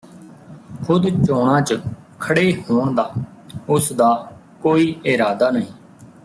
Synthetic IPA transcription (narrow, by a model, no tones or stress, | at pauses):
kʰʊd̪t͡ʃoːɳ̃ãːt͡ʃəkʰəɽeːɦoːɳd̪aːʊsd̪aː | koːiːʔɪɾaːd̪aːnəɦĩː